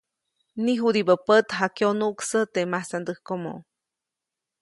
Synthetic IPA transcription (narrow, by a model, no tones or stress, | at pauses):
niɦud̪ibəpət̪ɦakeonuʔksət̪emasand̪əhkomo̰